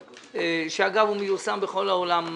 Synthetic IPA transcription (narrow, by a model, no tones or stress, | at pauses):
ʃeaɡavumejusambeχo̞laolam